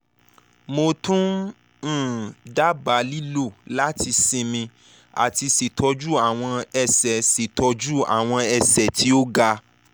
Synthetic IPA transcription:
mo˧tũ˦˨ | da˦ba˨˦li˦lo˦˨la˦ti˧sĩ˧mĩ˧ | a̰˨ti˧si˨tʰɔ˧d͡ʒu˦a˨w̃ɔ̃˧ɛ˧sɛ˨se˨tʰɔ˧˦d͡ʒu˦a̰˨w̃ɔ̃˧ɛ˧sɛ˨ti˦o˦ɡa˧

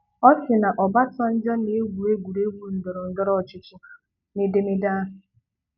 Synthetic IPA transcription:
ɔ˦t͡ʃɪ˨na˨ʔɔ˨ba˦tɔ˦n̩˦d͡ʒɔ˦ne˨˦e˦ɡʷu˨e˦ɡʷu˨ɾe˦ɡʷu˦n̩˨dɔ˨ɾo˨n̩˦dɔ˦ɾɔ˦˨t͡ʃɪ˨t͡ʃʊ˦˨ | ne˨de˦me˦da˦ɦʊ˨

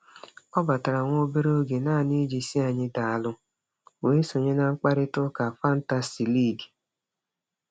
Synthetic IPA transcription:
ɔ˦ba˨ta˨ɾa˨ŋʷo˦o˦be˦ɾo˦ɡe˨naː˦˨ni˦d͡ʒi˨si˦a˨ɲɪ˦da˨a˨lʊ˦ | we˦so˨ɲe˦na˨ŋ͡m̩˦k͡pa˦ɾɪ˦tʊ˦ka˨fa˦n̩˦ta˦si˨li˦˨ɡ

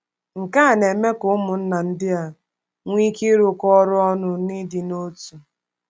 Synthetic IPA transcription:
ŋ̩˨ka˦˨ne˨me˦kʊ˦mʊ˨n̩˦na˨n̩˦dɪ˦a˨ | ŋʷi˦ki˦ɾʊ˨kɔ˦ɾʊ˦ɔ˦nʊ˨ni˦dɪ˨no˦tu˨

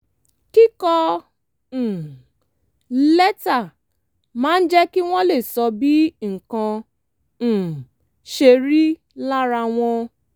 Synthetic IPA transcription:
ki˦kɔ˦˨ | lɛ˦ta˦˨ | mãː˦n̩˦d͡ʒɛ˦ki˦w̃ɔ̃˦le˦˨sɔ˧bi˦ŋ̩˨kã˧˨ | ʃe˧ɾi˦ | la˦ɾa˧w̃ʷɔ̃˦

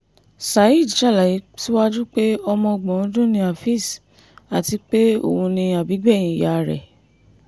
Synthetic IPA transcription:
sa˨˦ji˦˨dʃa˦˨la˨ji˨˦ti˦wa˦d͡ʒu˦k͡pe˦ɔ˧mɔ̃˧ɡ͡bɔ̃˨˦dũ˦nĩ˧a˨fi˦˨s | a˨ti˧k͡pe˦o̰˦˨ũ˧nĩ˧a˨bi˨˦ɡ͡bɛ˦˨j̃ĩ˨ja˨ɾɛ̰˨

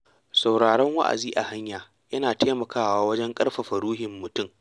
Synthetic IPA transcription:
sa˨wɽaː˨ɽɛ˦ŋwɐ̰˦ʔa̰˨ziː˦ʔa˨ha˦ɲjaː˨ | jɐ˦naː˨teː˦mɐ˨kʰaː˦waː˨˦wɐ˦d͡ʒɛ˦ŋkʼɐ˦rɸa˨ɸɐ˨ɽuː˦ɦɪ˨mːʊ˨tʊ˦˨m

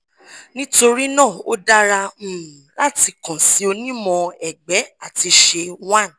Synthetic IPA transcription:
nĩ˦to˧ɾi˦nã˦˨o˦da˦ɾã˧˨la˦ti˧kɔ̃˨si˨˦o˧nĩ˦mɔ̃˧ɛ˨ɡ͡bɛ˨˦a˦˨ti˧ʃe˧wa˦˨n˨

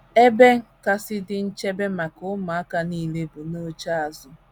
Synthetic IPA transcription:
e˦be˦ka˦sɪ˦dɪ˦n̩˦t͡ʃe˦be˦ma˨kʊ˦ma˨a˦ka˦ni˦˨le˦bʊ˨no˦t͡ʃa˦a˨zʊ˦

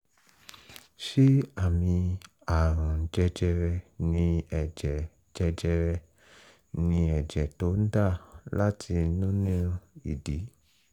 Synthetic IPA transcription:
ʃi˦a˦˨mĩ˧ | a˨ɾ̃ã˨˦d͡ʒɛ˧d͡ʒɛ˧ɾɛ˧nĩ˧ɛ˨d͡ʒɛ˨ | d͡ʒɛ˧d͡ʒɛ˧ɾɛ˧ | nĩ˧ɛ˨d͡ʒɛ˨to˨˦n̩˦da˦˨la˦tʰi˧nũ˦nĩ˦˧i˨di˨˦

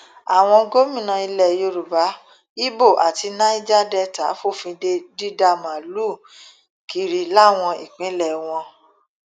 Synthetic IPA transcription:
a˨w̃ɔ̃˧ɡo˦mĩ˦˨nã˧i˧lɛ˨jo˧ɾu˨ba˨˦ | i˦bo˦˨ʔa˨ti˧nã˧˦i˦d͡ʒa˦dɛ˦˧ta̰˨˦fo˦˨fĩ˧de˧di˦da˧˨mã˨lu˦˨ | ki˨ɾi˨˦la˦w̃ɔ̃˧i˨k͡pĩ˨˦lɛ˨w̃ɔ̃˧

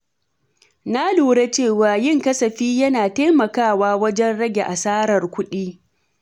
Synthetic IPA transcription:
na˦luː˨ɽe˦t͡ʃeː˦˨waː˨jɪ˦˨ŋkɐ˦sɐ˨ɸiː˦jɐ˦naː˨taː˦mɐ˨kaː˦˨waː˦wɐ˦d͡ʒɛ˦nɽɐ˦ɡʲe˨ʔa˨saː˦ɾɐ˨rkʷʊ˦ɗiː˦

